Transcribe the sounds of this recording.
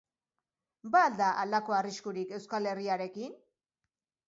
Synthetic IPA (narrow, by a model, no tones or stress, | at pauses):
baːld̪aʔalako̞ariskuɾike̞wskale̞riaɾe̞kin